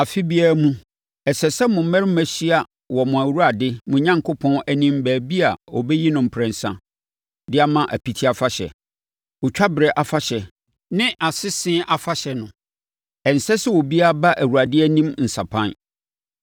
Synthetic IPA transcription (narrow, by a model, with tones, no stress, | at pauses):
a˨fi˦bi˦a˦mũ˦ | ɛ˨sɛ˨sɛ˦mʊ̃˨˦mɛ̃˦ɾmæ˨ɕi˦a˨ | wɔ˨mʊ̃˨æ˨wu˦a˨dɪ˦mʊ̃˨ɲã˦ŋkʰo˦pʰɔ̃˦næ˦nĩ˦mbæː˨bi˦a˨wɔ˨bɛ˦ji˦nʊ̃˨m̩˨pʰɾɛ̃˨n˨sã̰˦ | dɪ˦a˦mã˦ʔæ̰˨pʰi˦tʰi˦a˨fa˦ɕɛ̰˨ | wɔ˨t͡ɕᶣʰa˦bɪ˨ɾɛ˨ʔa˨fa˦ɕɛ˨ | nɪ̃˦ʔa˨sɪ˦sɪ̃˦ʔa˨fa˦ɕɛ˨nʊ̃˨ | ɛ˨n̩˨sɛ˦sɛ˦wɔ˨bi˦a˦ba˦ʔæ˨wu˨ɾa˨dɪ˦æ˦nĩ˦mn̩˨sa˨pʰã˦n